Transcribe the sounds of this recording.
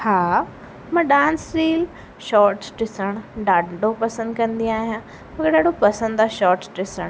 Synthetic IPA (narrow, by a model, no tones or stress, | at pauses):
haː | mɐ̃ːɗãːnsɾiːl | ʃɔːʈʈɪsəɽ̃ɖaːɖʱopɐsə̃nd̪kɐ̃nd̪iaːɦijãː | mɐkeɗaːɖopɐsə̃nd̪d̪aːʃɔːɾʈʈɪsəɽ̃